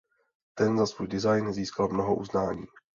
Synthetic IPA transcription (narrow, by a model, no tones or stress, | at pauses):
t̪ɛnzasvuːjdɪzajnziːskalmno̞ɦoʔuznaːɲiː